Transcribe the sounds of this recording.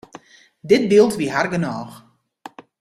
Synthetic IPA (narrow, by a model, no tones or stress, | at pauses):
dɪt̚bilˠtʋiɦarɡənɔːx